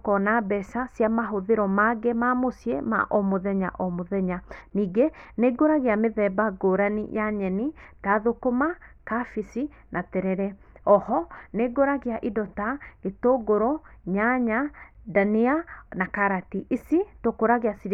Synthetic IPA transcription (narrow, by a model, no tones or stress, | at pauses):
kɔnabɛsasijamaɦoðeɾɔmaɡɛmamosiema̰ʔɔmoðɛɲa̰ʔɔmoðɛɲaniːɡeneːɡoɾaɣeameðɛbaɡoɾanḭjaɲɛnitaðokomakafisi | nʔatɛɾɛɾɛ | ɔhɔneɡoɾaɣeaʔidɔtaetoɡoɾɔɲaɲadanianakaɾatiʔisitokoɾaɣeasiɾ